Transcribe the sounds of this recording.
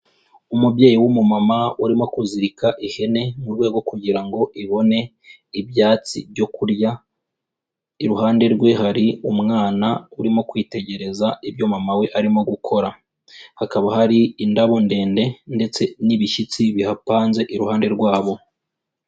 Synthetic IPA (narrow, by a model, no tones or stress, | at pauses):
umubɟe̞ːjiwumumamauɾimo̞kuziɾikaʔihe̞ne̞muɾɡweːɡo̞kuɟiɾaŋɡo̞ʔiβo̞ne̞ | ibjaːt͡sḭbjo̞kuɾja | iɾuɦaːnde̞ɾɡwe̞ɦaɾiumŋaːnauɾimo̞kwiːte̞ɟe̞ɾe̞zaibjo̞mamawe̞ʔaɾimo̞ɡukʰo̞ɾa | hakaβahaɾiindaβo̞nde̞ːnde̞nde̞t͡se̞niβiʃit͡siβihapaːnze̞ʔiɾuhaːnde̞ɾɡwaːβo̞